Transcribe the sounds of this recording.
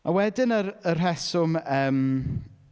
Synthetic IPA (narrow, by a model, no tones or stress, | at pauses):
awɛdɪnərərrɛsʊməːm